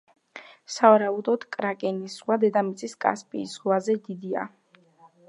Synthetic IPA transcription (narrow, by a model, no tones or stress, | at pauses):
savaɾaud̪ɔd̪̥kʼɾakʼɛnisʁwad̪ɛd̪amit̪sʼiskʼa̰spʼḭːsʁwazɛd̪id̪ia̰